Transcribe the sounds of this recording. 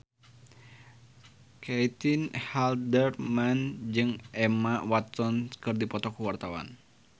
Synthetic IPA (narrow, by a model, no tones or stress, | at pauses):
kɛjt̪inhaldərmand͡ʒɨŋʔɛmawat̪sɔnkɨrdipɔt̪ɔkuwart̪awa̰n